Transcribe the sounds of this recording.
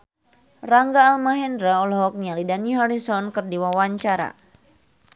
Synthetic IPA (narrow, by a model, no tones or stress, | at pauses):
raŋɡaːlmaɦɛndɾaɔlɔɦɔk̚ɲalidaniɦaɾisɔnkɨrdiwawaɲt͡ʃaɾa̰